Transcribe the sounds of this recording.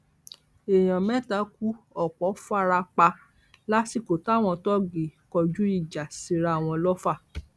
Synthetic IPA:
e˨j̃ã˨mɛ̃˦ta˨˦ku˦ɔ˨k͡pɔ˨˦fa˦ɾa˧k͡pa˧ | la˦si˦˨ko˨ta˦˨w̃ɔ̃˧tɔ˦ɡe˨kɔ˧d͡ʒu˦i˦˨d͡ʒa˨si˧˦ɾa˧˦a˨w̃ɔ̃˧lɔ˦fa˦˨

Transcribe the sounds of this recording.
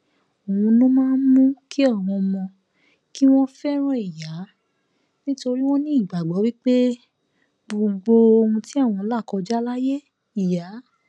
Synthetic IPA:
o˨wũ˧nũ˦mãː˦n̩˦mũ˦ki˦ɔ˦˨w̃ɔ̃˧mɔ̃˧ | ki˦w̃ɔ̃˦fɛ˦ɾ̃ɔ̃˦i˨ja˨˦ | nĩ˦to˧ɾi˦w̃ɔ̃˦nĩ˦i˦˨ɡ͡ba˨ɡ͡bɔ˨˦wi˦k͡pe˦ | bo˨ɡ͡bo˧o˧ũ˧ti˦a˦˨w̃ɔ̃˧la˦˨kɔ˧d͡ʒa˦la˦je˦ | i˨ja˨˦

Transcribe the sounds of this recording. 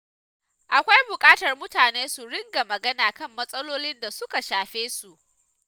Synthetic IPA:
ʔa˨kʷa˦jbʊ˨kʼaː˦tɐ˨rmʊ˦taː˨neː˦su˨ɽɪ˦ŋɡa˨mɐ˨ɡɐ˦naː˨kɐ˦˨mːɐ˦sʼɐ˦loː˦lɪ˦nda˨sʊ˦ka˨ʃaː˨ɸeː˦su˨ʔ

